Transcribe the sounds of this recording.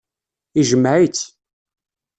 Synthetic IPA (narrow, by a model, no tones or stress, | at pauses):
iʒəmːʕit͡sː